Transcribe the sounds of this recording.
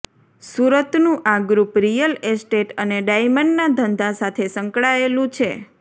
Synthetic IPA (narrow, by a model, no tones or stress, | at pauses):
suɾət̪nũʔaɡɾupɾijəlesʈeʈəneɖajməɳɖnad̪ʱənd̪ʱasat̪ʰesə̃ŋkɭaelũt͡ʃʰe